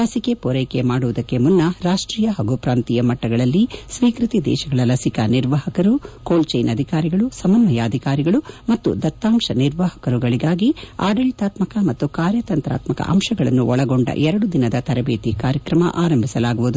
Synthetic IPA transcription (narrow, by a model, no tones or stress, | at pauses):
ɐsikepoːɾeːkemaːɽuʋud̪ɐkːemunːɐɾaːʂʈɾiːjɐɦɐɡupɾaːnt̪ijɐmɐʈːɐɡɐɭɐlːisʋiːkɾit̪id̪ɛ̰ːʃɐɡɐɭɐlɐsikɐniɾʋaɦɐkɐɾukoːlt͡ʃɐjnɐd̪ʱikaːɾiɡɐɭusɐmɐnʋɐjɐːd̪ʱikaːɾiɡɐɭumɐt̪ːṵd̪ɐt̪ːaːmʂɐniɾʋahɐ̥kɐɾuɡɐɭiɡaːɡia̰ːɖɐɭit̪aːt̪mɐkɐmɐt̪ːukaːɾjɐt̪ɐnt̪ɾa̰ːt̪mɐkɐ̰ʔɐ̰mʂɐɡɐɭɐnːuʔɔɭɐɡo̞ɳɖɐ̰ʔɛɾɐɽud̪inɐd̪ɐt̪ɐɾɐbeːt̪ikaːɾjɐkɾɐmɐ̰ʔaːɾɐmbʱisɐlaːɡuʋud̪u